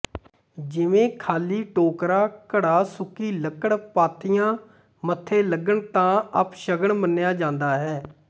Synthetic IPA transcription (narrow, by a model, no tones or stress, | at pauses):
d͡ʒɪʋẽːkʰaːliːʈoːkɾaːkəɽaːsʊkiːləkəɽpaːt̪ʰɪjãː | mət̪ʰːeːləɡəɳt̪ãːəpʃəɡəɳmənɪjaːd͡ʒãːnd̪aːɦɛː